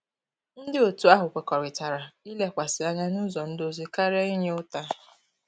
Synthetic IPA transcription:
n̩˦dɪ˦o˨tu˨a˦ɦʊ˨kʷe˨kɔ˨ɾɪ˨ta˨ɾa˨i˦le˦kʷa˨sɪ˨a˦ɲa˦nu˦zɔ˨n̩˦do˦zi˦ka˦ɾe˦i˦ɲe˦ʊ˦ta˦

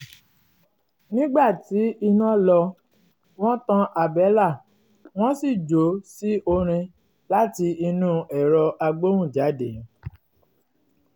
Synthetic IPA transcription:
nĩ˦ɡ͡ba˦˨ti˨˦i˧nã˦lɔ˧ | w̃ɔ̃˦tã˧ʔa˨bɛ˨˦la˦˨ | w̃ɔ̃˦si˦˨d͡ʒo˨˦si˦ʔo˧ɾ̃ĩ˧ | la˦ti˧i˧nũ˦ɛ˨ɾɔ˧ʔa˧ɡ͡bo˦wũ˦˨d͡ʒa˨˦de˨

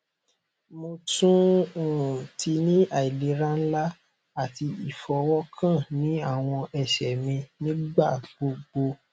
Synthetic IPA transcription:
mo˧tũ˦o˨ũ˨tʰi˧nĩ˦ʔa˨i˨le˨˦ɾã˦n̩˦la˦ | a˦˨ti˧i˨fɔ˨˧wɔ˦kʰã˦˨nĩ˨˦a˦˨w̃ɔ̃˧ʔɛ˨ʃɛ˨mĩ˧nĩ˦ɡ͡ba˦˨ɡ͡bo˧ɡ͡bo˧

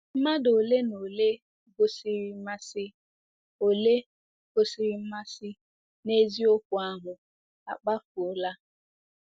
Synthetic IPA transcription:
m̩˦ma˦do˨le˦no˨le˦ | ɡo˨si˨ɾi˨˦ma˦sɪ˦ | o˨le˦ | ɡ̥o˦si˨ɾi˨m̩˦ma˦sɪ˦ | ne˦zi˦o˦kʷʊ˨a˦ɦʊ˨ | a̰˨k͡pa˦fu˨ʊ˨la˦

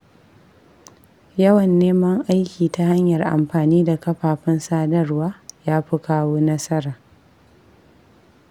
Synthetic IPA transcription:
jɐ˦wɐ˨nːeː˦mɐ˦ŋʔa˦jkʲiː˨ta˦ha˦ɲjɐ˨rʔa̰˨mɸaː˨niː˦da˨kɐ˦ɸaː˨ɸɪ˦nsaː˦dɐ˦rwaː˦jaː˦ɸɪ˦kaː˦woː˦nɐ˦sɐ˦ɾaː˨

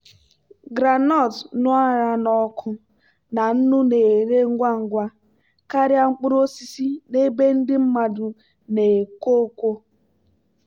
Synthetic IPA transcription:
ɡɾa˨nɔ˦˨tnʊ˦a˦ɾa˨nɔ˦kʰʊ˦ | na˨n̩˦nʊ˦ne˨ɾe˦ŋ̩˦ɡʷa˦ŋ̩˨ɡʷa˦ | ka˦ɾja˦ŋ͡m̩˦k͡pʊ˦ɾo˦si˦si˦ne˦be˦n̩˦dɪ˦m̩˦ma˨dʊ˨ | ne˨ko˦kʷo˦

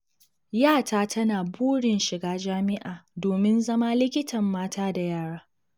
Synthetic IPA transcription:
jaː˦˨taː˦tʰɐ˦naː˨buː˦ɽɪ˨nʃɪ˨ɡaː˦d͡ʒaː˦mɪ˦ʔaː˨doː˨mɪ˦nzɐ˦ma˦lɪ˦kʲɪ˦tʰɐ˨mːaː˦tʰaː˦da˨jaː˦˨ɽaː˦

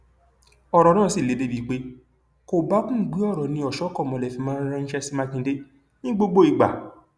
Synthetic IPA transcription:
ɔ˨˧ɾɔ˨nãː˦˨si˦˨le˨˦be˨˦bi˨˦k͡pe˦ | ko˨ba˨˦kũ˦˨ɡ͡bi˨˦ɔ˦˨ɾɔ˨nĩ˧˦ɔ˨ʃɔ˨˦kɔ˦˨mɔ̃˨lɛ˨fĩ˧˦mãː˦ɾã˦n̩˦ʃɛ˧˦sma˧kĩ˧˦de˦ | nĩ˦ɡ͡bo˦ɡ͡bo˦i˨ɡ͡ba̰˨

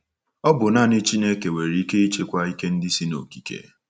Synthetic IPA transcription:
ɔ˦bʊ˨na˦˨nɪ˦t͡ʃi˦ne˦ke˨we˨ɾi˦i˦ke˦i˦t͡ʃe˦kʷa˦i˦ke˦n̩˦dɪ˦si˦no̰˨ki̥˨kḛ˨

